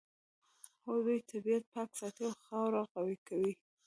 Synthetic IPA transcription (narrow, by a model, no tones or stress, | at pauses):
hojd̪ujt̪ʰabiat̪̚paksɑt̪elxɑwɾɑɣawikawi